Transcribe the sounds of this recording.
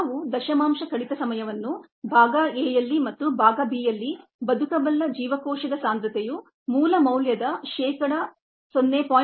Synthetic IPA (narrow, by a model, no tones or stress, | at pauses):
ʋud̪ɐʃɐmaːmʃɐkɐɽit̪ɐsɐmɐjɐʋɐnːu | bʱaːɡɐeːjɐlːimɐt̪ːubʱaːɡɐbiːjɐlːibɐd̪ʱukɐbɐlːɐd͡ʒiːʋɐkɔːʃɐd̪ɐsaːnd̪ɾɐt̪eju | muːlɐmɐwljɐd̪ɐʃɛːkɐɽɐ | sonːeːpaː